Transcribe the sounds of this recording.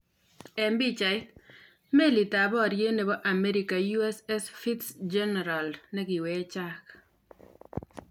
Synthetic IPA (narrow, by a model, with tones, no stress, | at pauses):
ɛ˨mbi˦t͡ʃa˨ɪ˦t̪ | me˦li˨ta˨bɔ˦˨ɾje˦ne˨bɔ˦ʔa˨mɛ˦ɾika˨ju˦ɛ˦sɛ˦sfi˦tsd͡ʒɛ˦nɛ˨ɾa˨lnɛ˦ɡɪ˨wɛ˦t͡ʃa˦k